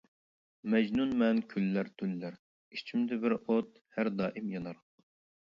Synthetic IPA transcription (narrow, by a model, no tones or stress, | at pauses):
mɛd͡ʒnunmɛnkʲʰylːæɾt̪ʰylːæɾ | it͡ʃʰimd̪ɛbɪɾot̪̚ | hæɾd̪ɑːʔimjɑnɑɾq